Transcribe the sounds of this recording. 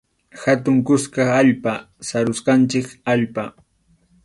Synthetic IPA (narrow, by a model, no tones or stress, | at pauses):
xat̪ʊŋkʊskɑaʎpa | saɾʊsqɑnt͡ʃɪkaʎpa